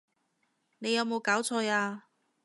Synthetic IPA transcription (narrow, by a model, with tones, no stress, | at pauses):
ne˨˧jɐ˨˧wmo˨˧wkaː˨˥wt͡sʰɔː˧jaː˧